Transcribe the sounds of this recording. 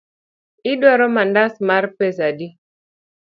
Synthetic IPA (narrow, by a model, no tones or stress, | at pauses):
ɪdwaɾɔmandasmaɾpes̬adi